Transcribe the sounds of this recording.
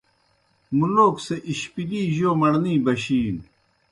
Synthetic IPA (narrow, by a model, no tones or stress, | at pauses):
muloːkseʔiɕpiliːʑoːmɐɽnĩːbɐɕiːn